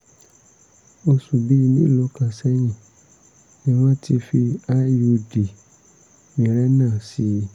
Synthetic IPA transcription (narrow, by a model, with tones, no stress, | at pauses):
o˧su˨bi˦˧nĩ˦˨lo˨˦kã˧sɛ˦j̃ĩ˦˨ | nĩ˦w̃ɔ̃˦ti˧fi˧a˦ju˧di˨ | ĩ˨ɾɛ˦nãː˦˨si˨˦